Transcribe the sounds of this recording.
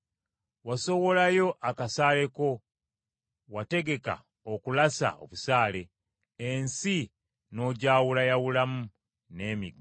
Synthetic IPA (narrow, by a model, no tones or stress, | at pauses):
waso̞wo̞lajo̞ʔakasaːle̞ko̞ | wate̞ɡe̞ka̰ | okulasa̰o̞̰βusaːle̞ː | nsi | no̞ːɟaːwulajawulamu | ne̞ːmiɡ